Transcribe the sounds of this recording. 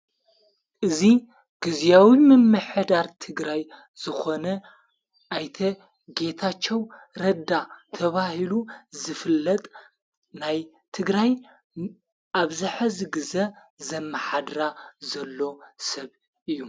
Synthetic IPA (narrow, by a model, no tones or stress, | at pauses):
ʔɨzi | ɡ̥ɨzjawimɨmːɨħd̪aɾt̪ʰɨɡɾaj | zɨxo̞nɐ | ʔajt̪ʰɐ | ɡe̞t̪ʰat͡ʃːɛw | ɾɐd̪at̪ʰɐβahiluzɨfɨlːɐt̪ʼ | naj | t̪ʰɨɡɾaj | ʔaβzɨħɐzɨɡɨzɐ | zɐmːɐħad̪ɾazɐlːo̞sɐβ | ʔɨjːu